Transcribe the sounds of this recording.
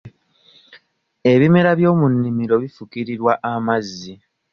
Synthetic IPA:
e̞βime̞ɾaβjo̞ːmunːimiɾo̞βifukiɾiɾwaʔamazːi

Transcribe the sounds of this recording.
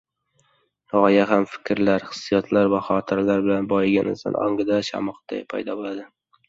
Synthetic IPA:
ʁɒjaɦamfɪ̥kʲɾlaɾχɨ̥sːijat̪ʰlaɾvaχɒt̪ʰɪɾlaɾbɪlanbɒjɪɡʲanɪ̰za̰nʔɒ̰ŋɡɪd̪aʃa̰mɒqd̪a̰pʰa̰jd̪ɒbolad̪ɪ

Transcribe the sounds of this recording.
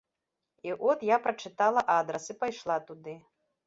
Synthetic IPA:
iʔɔt̪japɾɐt͡ʂɨt̪alˠɐʔad̪ɾɐsɨpajʂlˠat̪ud̪ɨ

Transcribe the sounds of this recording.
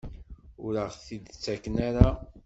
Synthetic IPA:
ʊɾəʁθid̪t͡sːækːənaɾa

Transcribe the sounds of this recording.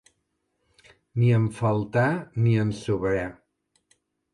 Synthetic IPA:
niəɱfəlˠt̪aniənsuβɾɛ

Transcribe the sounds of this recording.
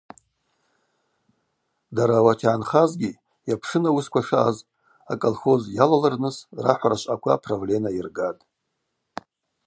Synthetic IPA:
daɾawatʰʕanχazɡʲi | japʰʂɨnawuskʷʰaʂaaz | a̰kʼolχo̞zjalalɨrnɨsra̰ħʷaɾaʃʷʼakʷʰapʰroble̞nairɡatʼ

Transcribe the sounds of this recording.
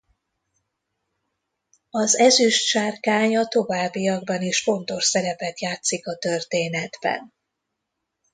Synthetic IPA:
ɒzɛzyʃʃaːrkaːɲɒt̪o̞vaːbːiɒɡbɒniʃfo̞nt̪o̞ʃsɛɾɛpɛt̪jaːt̪sikɒt̪ørt̪eːnɛd̪bɛ̰n

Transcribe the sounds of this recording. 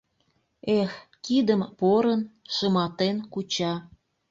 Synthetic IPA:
ex | kid̪əmpoɾənʃəmɑt̪enkut͡ɕɑ

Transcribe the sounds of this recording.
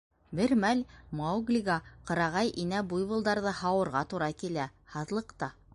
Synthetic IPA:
bɘɾmælʲmɑwɡlʲiɡɑqɤ̆ɾɑʁɑjʔinæbujβɤ̆lˠd̪ɑɾðɤhɑwɤ̆ɾʁɑt̪uɾɑkilæhɑðlˠɤ̆qt̪ɑ

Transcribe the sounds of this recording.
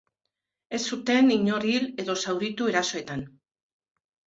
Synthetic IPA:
e̞sːut̪e̞niɲo̞ɾile̞ðo̞sawɾit̪ue̞ɾaso̞e̞t̪an

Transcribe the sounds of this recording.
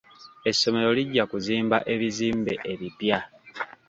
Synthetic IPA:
e̞sːo̞me̞ɾo̞liɟːakuziːmbaʔe̞βiziːmbe̞ʔeβipja

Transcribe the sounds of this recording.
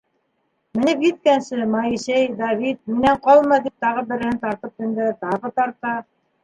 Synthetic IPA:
mɘ̆nɘpjɘ̆t̪̚kænsɘmɑisejd̪ɑvit̪̚minæɴqɑlˠmɑd̪ip̚t̪ɑʁɤbɘ̆ɾɘ̆hɘnt̪ɑɾt̪ɤp̚ɘ̆nd̪ɘt̪ɑʁɤt̪ɑɾt̪ɑ

